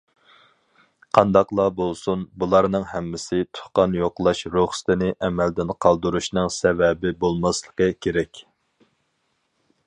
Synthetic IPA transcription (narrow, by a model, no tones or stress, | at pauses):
qʰɑnd̪ɑqlˠɑbolˠsunbulˠɑɾnɨŋhɛmːɪsɪt̪ʰʊ̥χqɑnjoqlˠɑʃɾoχst̪ɪnɪʔɛmɛld̪ɪnqʰɑlˠd̪uɾuʃnɨŋsɛvɛbɪbolˠmɑslˠəqəkʲʰeɾɛkʲ